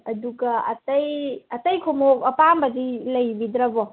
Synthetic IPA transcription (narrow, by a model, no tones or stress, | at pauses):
ɐduɡaɐtɐjɐtɐjkʰomokɐpambɐdilɐjbidɾɐbɔ